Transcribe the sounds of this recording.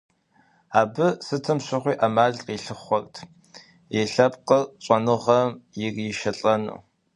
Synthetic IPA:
aːbɨsɨtʰɨmɕʷɐχʷiːʔamaːɮqiːɬɨχʷɔrtʰ | jɛɬɐpqəɕʷʼɐnɨʁɐmjɪɡjɪʃɐɬʼɐnṵː

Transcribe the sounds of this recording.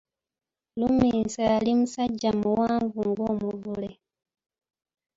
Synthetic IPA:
lumiːnsaːlimusaɟːamuwaːɱvuŋɡoːmuvule

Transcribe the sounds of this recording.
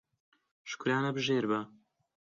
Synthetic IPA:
ʃkuɾaːnɐbɨʒeːɾbɐ

